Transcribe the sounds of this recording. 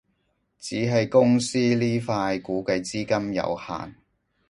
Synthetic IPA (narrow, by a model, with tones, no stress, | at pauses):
t͡siː˨˥ɦɐ˨jkʊ˥ŋsiː˥liː˥faː˧jkuː˨˥kɐ˧jt͡siː˥kɐ˥mjɐ̰˨˧wha̰ː˨n